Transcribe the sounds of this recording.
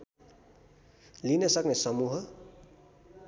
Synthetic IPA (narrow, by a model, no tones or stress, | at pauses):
linʌsʌknesʌmuɦʌ